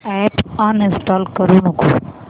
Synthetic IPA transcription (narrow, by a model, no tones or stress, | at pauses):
ɛʈãnɪ̃nsʈaːlkəɾuːnukʰo